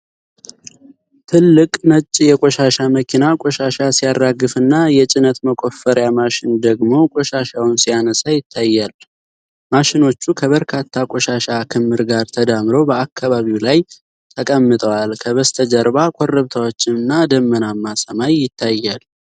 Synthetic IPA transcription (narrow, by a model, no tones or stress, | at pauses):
t̪ʰɨlːɨkʼnət͡ʃʼːjɛkʼoʃaʃaməkʰinakʼoʃaʃasijadɾaɡɨfɨnːajɛt͡ʃʼɪnət̪məkʼo̞fːəɾjamaʃɪnd̪əɡmo̞kʼoʃaʃawʊnsijanəsajɪt̪ʰːajːal | maʃɪno̞t͡ʃːukʰəβəɾkʰat̪ʰːakʼoʃaʃakʰɨmːɨɾɡaɾt̪ʰəd̪amɨɾo̞bəakʰːaβaβiwlaj | t̪ʰəkʼəmːɨt̪ʼəwalkʰəβəst̪ʰəd͡ʒəɾbakʰʼorːəβt̪ʰawo̞t͡ʃːɪnɨnːad̪əmːənamːasəmajːɪt̪ʰːajːal